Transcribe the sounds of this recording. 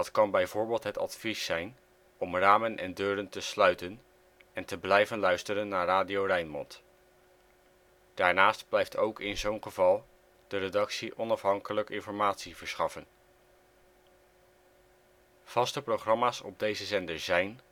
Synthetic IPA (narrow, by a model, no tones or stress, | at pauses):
dɑtkɑnbɛjvʊːɹbɪːlˠtɦətɑ̰tfisːɛjn | ɔmraːmənʔɛ̰ndøːɾəntəslœɥtən | ɛntəblɛjvənlœɥstərənːaːɹraːdiowrɛjnmɔ̰nt | d̥aːɹnaːstblɛjftʰowkɪnzownχəvɑlˠ | d̥əɾedɑksiʔɔnɑfɦɑŋkələkɪnfɔɹmaːtsivəɹsχɑfən | v̥ɑstəproχrɑmaːsɔ̰b̚dejzəzɛndəɹzɛjn